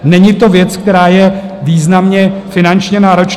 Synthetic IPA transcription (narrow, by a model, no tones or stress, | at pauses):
nɛɲɪt̪o̞vjɛt͡skt̪ɛɾaːjɛ | viːznamɲɛfɪnant͡ʃɲɛnaːɾo̞t͡ʃ